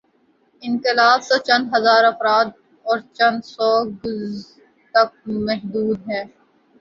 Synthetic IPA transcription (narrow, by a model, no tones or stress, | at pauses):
ɪ̃nkɪlaːbset͡ʃɐ̃nd̪ɦɐzaːɾɐfɾaːd̪̚ | ɔːɾt͡ʃɐ̃nd̪sɔːɡʊz | t̪ɐk̚mɛɦd̪uːd̪ɦɛ̃ː